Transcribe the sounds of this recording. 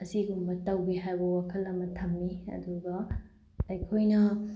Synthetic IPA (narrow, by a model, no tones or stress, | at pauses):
ɐsiɡumbɐtɐwbiɦajbɐwakʰɐlːɐmɐtʰɐmniɐ̰duɡɐː | jkʰojnɐ